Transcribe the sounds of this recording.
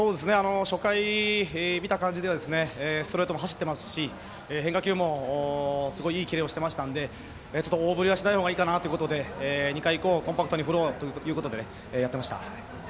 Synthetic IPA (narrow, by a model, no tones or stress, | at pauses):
so̞ːd̪e̞sɨne̞ano̞ɕo̞kai | mʲit̪akãɲ̟d͡ʑid̪ead̪esɨne̞ːsoɾet̪o̞mo̞ɦaɕi̥t̪ːe̞masɨ̥ɕi | eɦeŋkakʲɨːmo̞ː | sɨɡo̞iiːkʲiɾeːo̞ɕi̥t̪e̞maɕi̥t̪ãnd̪e̞ | eːt͡ɕo̞t̪ːooːbɯ̟ɾʲiɡaɕinaihoːɡaiːkanat̪ojɯ̟kot̪od̪e̞ːɲ̟ikaiko̞ːkõmpakɯ̟t̪oɲiɸɯ̟ɾoːt̪ojɯ̟ːko̞t̪o̞d̪e̞ne | jat̪ːemaɕi̥t̪a̰